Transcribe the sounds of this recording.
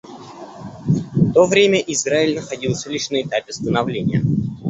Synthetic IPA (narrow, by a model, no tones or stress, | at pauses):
t̪o̞vɾʲemʲəʔɪzraɪlʲnəxɐdʲilˠsʲəlʲiʂnəɪt̪apʲɪst̪ənɐvlʲenʲɪjə